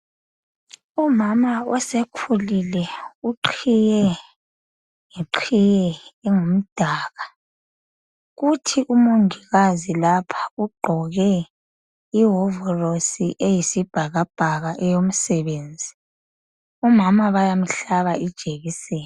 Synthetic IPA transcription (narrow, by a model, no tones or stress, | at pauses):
umamaɔsekʰulilɛuǃʰijɛ | ŋiǃʰijɛːŋum̩d̥ʱaːɣa | ɣutʰiʔumoŋiɣazilapʰḁuɡ͡ǃʱɔɣɛ | iɦɔvɔrosiʔejisib̥ʱaɣab̥ʱaɣaʔɛjom̩sɛβeːnd͡zʱi | umamaβajam̩ɬaβaid̥ʒ̥ʱeɣisɛː